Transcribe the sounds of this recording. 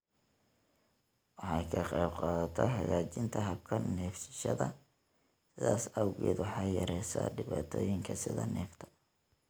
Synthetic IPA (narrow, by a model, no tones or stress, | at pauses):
wɑħɑjkʰɐqɑjbqɑːðɐt̪ʰɔhɑjaːt͡ʃɪnt̪ʰɐɦɐbkʰɐnɛːfsɪ̥ʃɐðɐ | sɪðaːsɐwɣḭːd̪wɑħɑjjɐɾɛjsa̰ɖɪβaːt̪ʰɔːjɪŋkʰɐsɪðɐnɛːft̪ʰɐ̥